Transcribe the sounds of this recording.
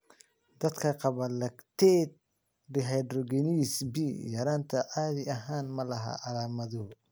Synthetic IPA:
d̪ɐd̪kʰɐqɑβɐlɐɡt̪ʰɛd̪̚ | dɪɦɛjd̪rɔɡɛnisbiːjɐɾaːnt̪ʰɐʔaːðɪɐɦaːnmɐlɐɦɐ̰ʔɑlaːmɐðʊhʊ

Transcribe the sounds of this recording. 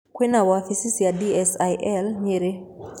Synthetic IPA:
kwenawafisisiadiɛsajʔɛlɲeɾe

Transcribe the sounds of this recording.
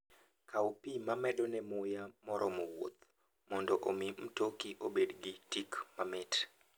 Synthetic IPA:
kaupimamɛdɔnɛmʊjamɔɾɔmɔwo̰t̪ | mɔndɔʔomim̩tokiʔobedɡitikmamɪt

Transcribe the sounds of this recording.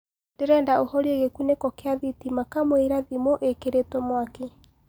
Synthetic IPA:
nd̥eɾɛːndaohɔɾieɣekunekɔkeaðitimakamweɾaðimoʔekeɾetɔmwake

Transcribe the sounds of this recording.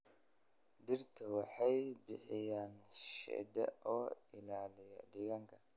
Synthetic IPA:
dɪrt̪ʰɐwɑħɑjbɪħɪjaːnʃɛ̰d̪ɛ̰ɔːɪlaːlɪjɐ̰ɖɪɣɐŋkʰɐ̥

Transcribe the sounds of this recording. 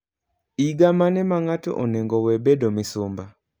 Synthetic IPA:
iɡamanɛmaŋato̰ʔoneŋɡɔwɛbedomɪsʊmba

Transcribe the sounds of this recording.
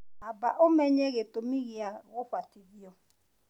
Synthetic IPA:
abaʔomeɲeɣetomiɣiaɣʊfʷativiɔ

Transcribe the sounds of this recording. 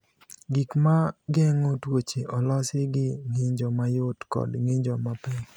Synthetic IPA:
ɡikmaɡɛŋotwot͡ʃeʔɔlɔsɪɡɪŋiɲd͡ʒɔmajʊtkɔ̰dŋiɲd͡ʒɔmapɛŋ

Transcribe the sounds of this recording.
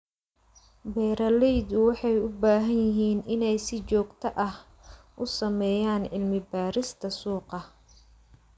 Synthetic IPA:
bɛːɾɐlɛjd̪ʊwɑħɑjʊbaːɦɐnjɪɦiːnɪnɛjsɪt͡ʃɔːɡt̪ʰɐʔɐh | ʔʊsɐmɛːjaːnʕɪlmɪbaːɾɪst̪ʰɐsuːqɑ

